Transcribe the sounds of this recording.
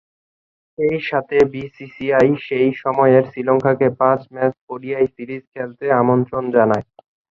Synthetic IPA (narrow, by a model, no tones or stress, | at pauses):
ʃejʃat̪ʰebisisiajʃejʃɔmɔeɾsilɔŋkʰakepat͡ɕmɛspoɽiajsiɾid͡ʑkʰɛlt̪eamont̪ɾond͡ʑanae